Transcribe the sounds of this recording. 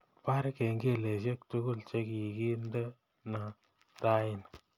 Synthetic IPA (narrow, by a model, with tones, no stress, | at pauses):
pa˦ɾke˨ŋɡe˦˨le˨ʃ̬e˦k̚tʊ˦ɡʊ˦˨lt͡ʃe˦ki˨ki˦nde˦ | na˨ | ta˦ɪ˨n